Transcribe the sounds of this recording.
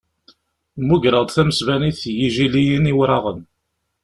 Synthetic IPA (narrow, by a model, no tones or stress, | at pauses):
muʝɾˤəd̪ˤθæməsvæniθjiʒilijəniwɾɑʁən